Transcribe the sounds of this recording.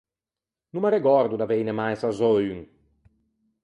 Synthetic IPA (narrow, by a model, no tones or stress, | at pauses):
numaɾeɡɔɾd̪ud̪avejnemajsazɔjuŋ